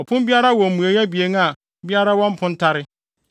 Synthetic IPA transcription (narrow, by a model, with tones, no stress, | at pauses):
ɔ˨pʰʊ̃˦m˦bi˦a˦ɾa˦wɔ̃˨m̩˨mũ˨e˨ja˦bi˨e˨˦ŋ˦a˨ | bi˦a˦ɾa˦wɔ̃˦m˦pʰʊ̃˦n˦tʰa˦ɾɪ˦